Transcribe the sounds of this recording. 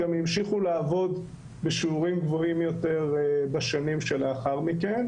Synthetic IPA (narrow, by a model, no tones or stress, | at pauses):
amjimʃiχulaːvo̞d̪ | beʃiuʁimɡvo̞imjot̪e̞ʁbaʃanimʃelaχaʁmiken